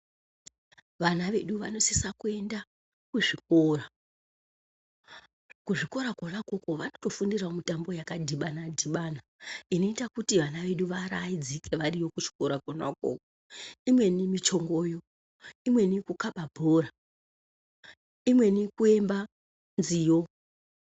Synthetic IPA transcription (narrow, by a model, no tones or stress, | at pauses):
ʋanaʋe̞ɗuʋano̞sisakue̞nda | kuʐik̚o̞ːra | kuʐiko̞ɾakonako̞ko̞ʋanoto̞fundiraomitambo̞jakadʱiɓanadʱiɓanaino̞itakutiʋanaʋe̞ɗuʋaɾaid͡zike̞ʋarijo̞kuʐi̥ko̞ɾakona̰ko̰ko | imwe̞nimit͡ʃo̞ŋɡoːjo̞ | imwe̞nikukaɓabʱoːra | imwe̞nikue̞mba | nzijo̞